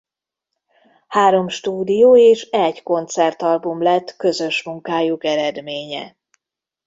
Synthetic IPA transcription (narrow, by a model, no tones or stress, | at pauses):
haːɾo̞mʃt̪uːd̪ijoːeːʃɛɟko̞nt̪sɛrt̪ɒlbumlɛt̪ːkø̞zø̞ʃmuŋkaːjukɛɾɛd̪meːɲɛ̰